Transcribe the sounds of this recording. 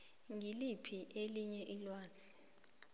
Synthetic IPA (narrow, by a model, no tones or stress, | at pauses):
ŋʱilipʰiʔeliɲɛʔilwaːzʰi̥